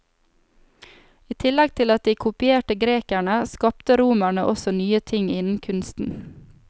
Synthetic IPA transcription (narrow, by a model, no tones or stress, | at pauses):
iːt̪ʰɪlɛɡ̚t̪ʰɪlɑt̪̚d̪iːkʰʊpɪeːʈəɡɾeːkæɳəskɑpt̪əɾuːmæɳəʔɔsɔnyːət̪ʰɪŋɪnn̩kʰʉnst̪n̩